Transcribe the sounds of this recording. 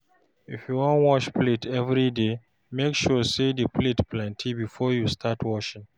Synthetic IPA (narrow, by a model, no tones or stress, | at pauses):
ifjuwɔ̃nwɔʃpletʰɛvɹide | mekʃɔsedəpʰletplɛ̃ntʰibifɔjustʰatʰwɔʃɪ̃ŋ